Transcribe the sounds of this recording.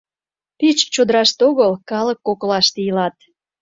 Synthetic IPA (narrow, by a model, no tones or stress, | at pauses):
pit͡ɕt͡ɕod̪əɾɑʃt̪oɣəlkɑlə̆kːoklɑʃt̪ejəlɑt̪̚